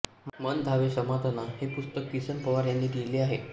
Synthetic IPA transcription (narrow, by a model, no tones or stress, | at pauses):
mənd̪ʱaʋesəmad̪ʱanaɦepust̪əkːisənpəʋaɾjanːiːd̪eleːaɦe